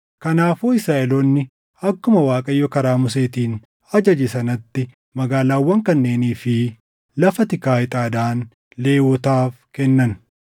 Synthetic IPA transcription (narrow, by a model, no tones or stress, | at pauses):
kɐnaːfuːɪsɾaːʔɛloːnːɪ | ɐkːʊmɐwaːkʼɐjːɔkɐɾaːmʊs̬eːt̪iːn | ɐd͡ʒɐd͡ʒɪsɐnɐt̪ːɪ | mɐɡaːlaːwːɐŋkɐnːe̞ːniːfɪ | lɐfɐt̪ɪkaːɪt̪ʼaːd̪aːn | le̞ːwɔt̪aːfkɛnːɐn